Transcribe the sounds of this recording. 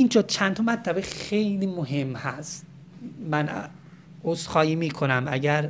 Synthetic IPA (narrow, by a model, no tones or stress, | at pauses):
ind͡ʒɒːd̪̚t͡ʃʰænt̪ʰɒmæt̪ʰlæbexejliːmoɦe̞mːhæst̪̚ | mæn | osxɒːjiːmiːkʰonæmæɟæɾ